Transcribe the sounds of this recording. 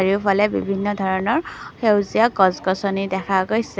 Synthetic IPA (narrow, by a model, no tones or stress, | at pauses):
ɹiʊpʰalɛbibʱinːɔd̪ʱɔɹɔnɔɹxewzijaɡɔzɡɔsɔnidɛkʰaɡojsɛ